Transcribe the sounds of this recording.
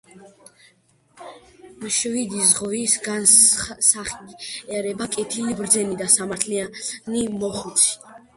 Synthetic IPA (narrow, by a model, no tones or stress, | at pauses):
mʃvid̪izʁɔisɡansaχiɛɾɛbakʼɛt̪ʰilibɾd̪zɛnid̪asamaɾt̪ʰlianimɔχut̪sʰi̥